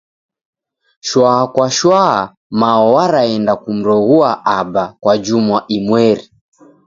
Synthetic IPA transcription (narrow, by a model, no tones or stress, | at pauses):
ʃwaakwaʃwaa | maɔwaɾaɛndakum̩ɾɔɣuaʔabakwad͡ʒumwaʔimwɛɾi